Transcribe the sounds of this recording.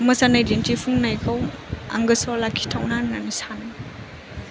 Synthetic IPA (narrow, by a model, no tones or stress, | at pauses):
mɐsanajdentipʰuŋnajkʰaw | a̰ŋɡɯsɔlakʰi̥tʰawnannanisanɯ